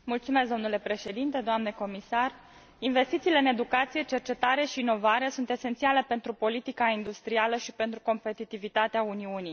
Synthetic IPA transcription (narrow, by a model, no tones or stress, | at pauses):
mult̪sume̞sd̪o̞mnule̞pɾe̞ʃe̞d̪int̪e̞d̪oamneko̞misar | inve̞st̪it̪siːle̞ɨne̞d̪ukat̪sije̞t͡ʃe̞rt͡ʃe̞t̪aɾe̞ʃiːno̞vaɾe̞sunt̪e̞se̞nt̪siale̞pe̞nt̪ɾupo̞lit̪ikaind̪ust̪ɾialəʃipe̞nt̪ɾuko̞mpe̞t̪it̪ivit̪at̪eauniuni